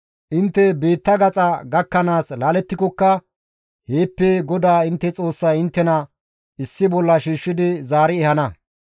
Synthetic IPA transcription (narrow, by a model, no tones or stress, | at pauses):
ʔɪnt̪ːɛbe̞ːt̪ːɐɡɐt͡sʼɐɡɐkːɐnaːslaːlɛt̪ːɪkɔkːɐ | he̞ːpːeɡɔd̪aːɪnt̪ːɛt͡sʼo̞ːsːɐjɪnt̪ːɛnɐ | ɪsːɪbɔlːɐʃiːʃːɪd̪ɪzaːɾɪɛhɐnɐ